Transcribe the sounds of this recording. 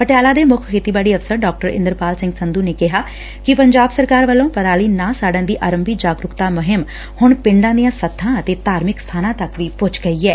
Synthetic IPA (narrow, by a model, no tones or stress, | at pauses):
pəʈejaːlaːd̪eːmʊkʰeːt̪iːbaːɽiːəʋsəɾɖaːk̚ʈəɾɪ̰̃nd̪əɾpaːlsɪ̃ŋɡsənd̪uːneːkɪɦaː | kɪpəɲd͡ʒaːbsəɾkaːɾʋəlːõːpəɾaːliːnãːsaːɖãːd̪iːʔaːɾəmbiːd͡ʒaːɡɾʊkt̪aːmʊɦɪm | hʊɳpɪɳɖãːd̪ijãːsət̪ʰːãːət̪eːt̪aːɾmɪkst̪ʰaːnãːt̪ɐkʋiːpʊt͡ʃɡəiːɛː